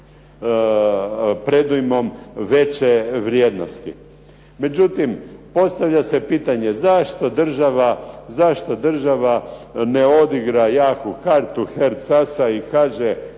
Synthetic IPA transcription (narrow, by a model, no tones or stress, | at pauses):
pɾe̞d̪ujmo̞mʋe̞t͡ɕeʋɾjeːd̪no̞st̪ḭ | me̞d͡ʑut̪impo̞st̪aʋʎase̞piːt̪aɲe̞zaʃt̪o̞d̪r̩ʒaʋazaʃt̪o̞d̪r̩ʒaʋaneo̞d̪iɡɾajaːkukaɾt̪uxeɾt̪sasaikaːʒe